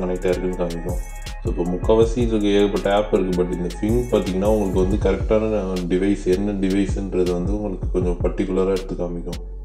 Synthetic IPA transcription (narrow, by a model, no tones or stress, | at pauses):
kɐnɐɪt̪ːaːɪɾɯkːɯnːɯkaːmɪkːõ | soːɪpːoːmʊkːɐʋɐsiɪdɯkːɐeːkɐpːɐʈːɐaːpɪɾɯkːɯbɐʈːɪnd̪ɐfɪŋpaːɾt̪iːŋɡɐnːaːʊŋɡɐɭɯkːɯʋɐnd̪ɯkɐɾɛk̚ʈaːnɐɖɪʋɐɪsɛnːɐɖɪʋɐɪsɪnɾɐðɯʋɐnd̪ɯʊŋɡɐɭɯkːɯkɔɲd͡ʒɔ̃pɐʈːɪkːʊlɐɾaːɪɾɯt̪ːɯkːaːmbɪkːõ